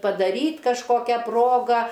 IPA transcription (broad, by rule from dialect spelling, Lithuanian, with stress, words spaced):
pɐdɐˈrʲiːtʲ kɐʃˈkoːkʲɛ ˈproːɡɐ